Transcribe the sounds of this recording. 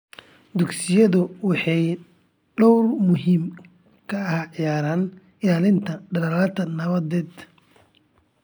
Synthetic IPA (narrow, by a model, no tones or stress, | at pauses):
d̪ʊɡsɪjɐðʊwɑħɑj | ɖɔwrmʊɦiːm | kʰɐɐhʕɪjaːɾaːn | ɪlaːlɪnt̪ʰɐɖɐlɐlaːt̪ʰɐnɐβɐðɛːd̪